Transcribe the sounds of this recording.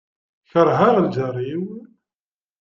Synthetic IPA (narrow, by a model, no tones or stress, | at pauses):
çəɾˤɦaʁld͡ʒərˤiw